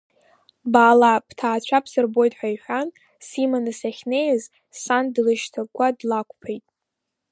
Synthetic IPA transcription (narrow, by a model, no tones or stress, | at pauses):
baːlapʰtʰaːt͡ɕʷʰapʰsɨrbo̞jtʼħʷᶣajħʷᶣan | simanɨsaχʲnejz | sandlɨʃtʰakʷʼadlakʷʰʼpʰejtʼ